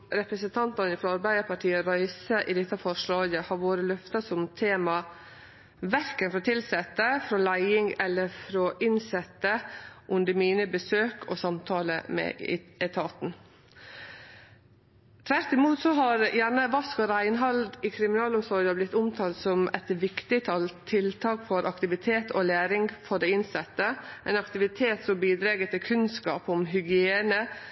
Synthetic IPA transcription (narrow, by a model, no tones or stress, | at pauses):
ɾɛpɾəsənt̪ʰɑnt̪ɑnɪfɾɔɑɾbæɪd̪əɾpʰɑʈʰiːəɾɑɪsəʔɪd̪ɪt̪ːɑfɔʂɭɑːɡəhɑɾʋoːɾəlœft̪ɑsɔmt̪ʰeːmɑ | ʋæɾkənfɾɔt̪ʰɪlsɛt̪ːəfɾɔlæɪɪŋɛlːəɾfɾɔʔɪnsɛt̪ːəʔʊnd̪əmiːnəbəsøːkʰɔsɑmt̪ʰɑːlə̰mɛ̰ɪɛt̪ʰɑːt̪n̩ | t̪ʰʋæɾt̪ɪmuːt̪sɔɦɑɾjæɳəʋɑskɔɾæɪnɦɑld̪iːkʰɾɪmɪnɑːlʊmsɔɾjɑblɪt̪ːʊmt̪ʰɑːlt̪sɔmɛt̪ʋɪkt̪ɪt̪ʰɑlt̪ʰɪlt̪ʰɑːkfɔɾʔɑkt̪ɪʋɪt̪ʰeːt̪ʰolæːɾɪŋɡfɔɖ̪ɛɪnsɛt̪ːəʔɛɪnɑkt̪ɪʋɪt̪ʰeːt̪sɔmbiːd̪ɾɑːɡət̪ɪkʰʉnskɑ̰ːpɔmɦʏɡɪeːnə